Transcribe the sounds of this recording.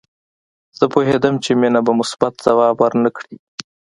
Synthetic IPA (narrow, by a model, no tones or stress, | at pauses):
z̥əpoɦed̪əmt͡ʃemenabamʊsbat̪̚z̥awɑːbwaɾnəkɽi